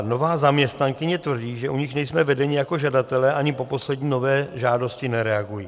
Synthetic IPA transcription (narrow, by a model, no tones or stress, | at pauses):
no̞vaːzamɲɛst̪naŋkɪɲɛt̪vr̩ɟiːʒɛʔuɲɪxnɛjsmɛvɛdɛɲɪjako̞ʒadat̪ɛlɛːʔaɲɪpo̞po̞slɛdɲiːno̞vɛːʒaːdo̞scɪnɛɾɛaɡujiː